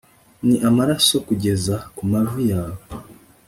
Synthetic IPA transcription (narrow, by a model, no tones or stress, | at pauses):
niʔamaɾaso̞kuɟe̞zakumavujaːwo